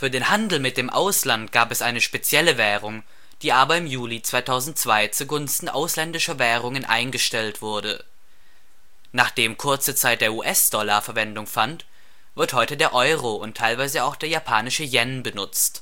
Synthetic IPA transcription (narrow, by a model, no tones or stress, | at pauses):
fyːɐdeːnhandl̩mɪt̚d̥eːmʔaʊslantɡ̥aːpɛsʔaɪnəʃpet͡sjɛləvɛːʁ̞ʊŋ | d̥iːʔaːbɐɪmjuːlit͡sv̥aɪtʰaʊzn̩t̚t͡sv̥aɪt͡suɡʊnstn̩ʔa̰ʊslɛndɪʃɐvɛːʁ̞ʊŋənʔa̰ɪnɡəʃtɛltv̥ʊɐdə̰ | naːχd̥eːmkʰʊɐt͡sət͡saɪt̚d̥eːɐuːʔɛsd̥ɔlaɐfɛɐvɛndʊŋfant | v̥ɪɐthɔʏtədeːɐʔɔʏʁoʊntʰːaɪlvaɪzəaʊxd̥eːɐjapʰaːnɪʃəjɛnbənʊt͡st